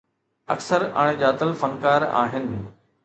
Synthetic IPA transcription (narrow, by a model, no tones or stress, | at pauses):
ɐ̰ksəɾa̰ːɽ̃ed͡ʑaːt̪əlfɐnkaːɾa̰ːɦɪnɪ̆